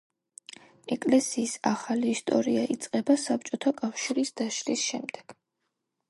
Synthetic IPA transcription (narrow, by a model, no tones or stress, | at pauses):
ɛkʼlɛsiːsaχaliːst̪ʼɔɾiaʔit̪sʼqʼɛbasap̚t͡ʃʼɔt̪ʰakʼafʃiɾisd̪̥aʃɾisʃɛmd̪ɛɡ̥